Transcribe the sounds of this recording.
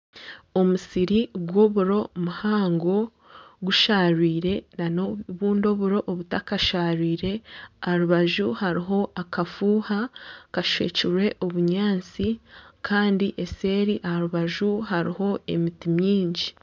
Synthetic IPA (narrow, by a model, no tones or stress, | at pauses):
o̞musiɾiɡwoβuɾo̞muhaːŋɡo̞ | ɡuʃaːɾwiːɾe̞nanoβuːndo̞βuɾo̞ʔːβutakaʃaːɾwiːɾe̞ahaɾuβaʒuhaɾiɦo̞ʔakafuːhakaʃḛːciɾwe̞ʔoβuɲaːnt͡sikʰaːndiʔe̞se̞ːɾiʔahaɾuβaʒuɦaɾiho̞e̞̰mitimɲiːɲɟi